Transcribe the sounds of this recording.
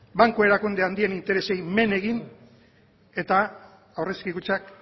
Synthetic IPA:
baŋkoe̞ɾakund̪eand̪ie̞nint̪e̞ɾe̞se̞jme̞ne̞ɣin | e̞t̪aː | wre̞skikut͡sak

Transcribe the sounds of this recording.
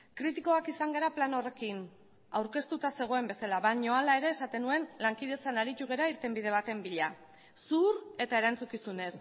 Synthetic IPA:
kɾit̪iko̞akisaŋɡeɾaplano̞re̞kin | awɾke̞st̪ut̪ase̞ɣ̞o̞e̞mbe̞salaβaɲo̞alaeɾe̞ːsat̪e̞nue̞nlaŋkið̞e̞t͡sanaɾit̪uɣ̞e̞ɾaiɾt̪e̞mbið̞e̞β̞at̪e̞mbiʎa | suɾe̞t̪ae̞ɾant͡sukisune̞s

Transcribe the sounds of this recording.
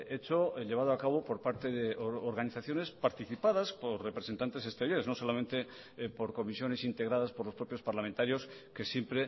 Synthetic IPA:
et͡ʃoʎeβað̞oakaβ̞o̞po̞ɾpaɾt̪e̞ðeʔoɾɣaniθaθjo̞ne̞spaɾt̪iθipaðaspo̞ɾre̞pɾese̞nt̪ant̪e̞s̬e̞st̪eɾjo̞ɾeno̞so̞lament̪e̞ | po̞ɾko̞misjo̞ne̞sint̪e̞ɣ̞ɾaðaspo̞ɾlo̞spɾopjospaɾlamẽnt̪aɾjo̞ske̞sjempɾe̞

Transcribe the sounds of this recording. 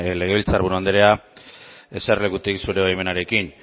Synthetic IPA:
le̞ɣ̞e̞βilt͡saɾβuɾuand̪eɾea | e̞serle̞kut̪iksuɾe̞βajme̞naɾe̞kin

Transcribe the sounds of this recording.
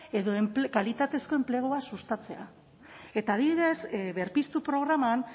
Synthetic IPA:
e̞ðo̞empkalit̪at̪e̞sko̞e̞mple̞ɣ̞oasust̪at͡se̞a̰ | e̞t̪aːðiβiðe̞sβe̞ɾpist̪upɾo̞ɣ̞ɾaman

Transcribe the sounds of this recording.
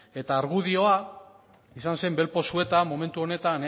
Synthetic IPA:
e̞t̪aːɾɣuð̞io̞a | isanse̞mbe̞lpo̞sue̞t̪amo̞me̞nt̪uo̞ne̞t̪an

